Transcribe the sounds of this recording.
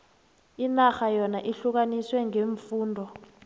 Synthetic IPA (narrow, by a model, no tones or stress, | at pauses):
inaxajɔnaʔiɬuk̬aniswɛŋeːɱfuːndʱɔ